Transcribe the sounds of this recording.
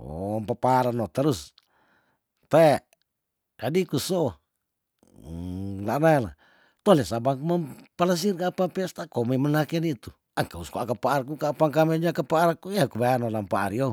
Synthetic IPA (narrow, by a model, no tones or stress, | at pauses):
o̰mpapaɾanot̪əɾus | t̪aɛ | d͡ʒadikuso | lanala̰ | t̪olɛsabaŋkumapalas̬irkapapɛst̪akomemənakenit̪u | aŋkauskuakapaʔːrk̬ukapaŋkamed͡ʒakapaːɾakuiakubajanolampaa̰ɾio